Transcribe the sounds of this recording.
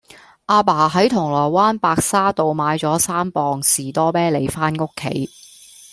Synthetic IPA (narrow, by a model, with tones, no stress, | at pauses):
ʔaː˧paː˨˩ɦɐ˨˥jt̪ʰʊ˨˩ŋlɔː˨˩waː˥npaː˧k̚saː˥t̪o˨wmaː˨˧jt͡sɔː˨˥saː˥mpɔː˧ŋsiː˨˩t̪ɔː˥pɛː˥le˨˧jfaː˥nŋʊ˥kʰːḛ˨˥j